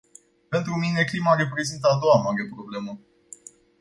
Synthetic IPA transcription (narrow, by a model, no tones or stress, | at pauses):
pe̞nt̪ɾumine̞klimaɾe̞pɾe̞zint̪əad̪o̞wamaɾepɾo̞ble̞mə